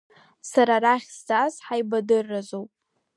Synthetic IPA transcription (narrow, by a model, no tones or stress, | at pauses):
saɾaɾaχʲstazħajbadɨrːazowpʼ